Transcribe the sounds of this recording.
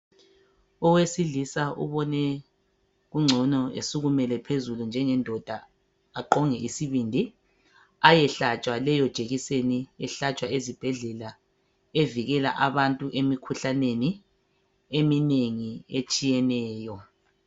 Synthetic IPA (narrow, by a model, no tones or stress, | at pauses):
ɔwesiɮisaṵβɔnɛ | ɣuŋ͡ǀʱɔnɔḛsuɣumɛlɛpʰezulund͡ʒʱɛŋɛndʱɔd̥ʱa | aǃɔŋɛʔisiβindʱi | ajɛɬat͡ʃʼwalɛjɔd̥ʒ̥ʱeɣiseniɛɬat͡ʃʼwaezib̥ʱɛɮɛla | eviɣɛla̰ʔaβantʼuʔemikʰuɬaneni | emineŋiet͡ʃʼijɛnɛːjɔ